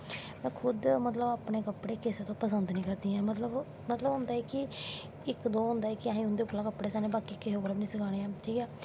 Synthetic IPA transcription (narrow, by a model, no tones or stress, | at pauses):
mɛ̃ːkʰʊd̪mət̪ləbaːpɳeːkəpɽeːkɪseːt̪õːpəsənd̪nĩːkəɾd̪iːɛ̃ːmət̪ləb | mət̪ləbɦʊ̃nd̪aːɛːkɪ | ɪkd̪oːɦʊ̃nd̪aːɛːkɪaɦĩːɦʊ̃nd̪eːʊklãːkəpɽeːsaːnẽːbaːkiːkeɦoːbəɾabnĩːsəkʰaːɽ̃eːãːʈʰiːkɛː